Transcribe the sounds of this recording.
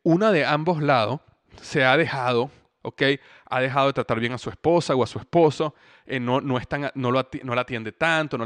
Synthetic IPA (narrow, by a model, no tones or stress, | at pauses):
unaðe̞ambo̞zlaðo̞s | se̞að̞e̞xað̞o̞ | okej | a̰ðe̞xaðo̞ðet̪ɾat̪aɾβje̞ŋasue̞spo̞sawasue̞spo̞so | enono̞est̪aŋano̞loat̪no̞lat̪jend̪e̞t̪ant̪o̞no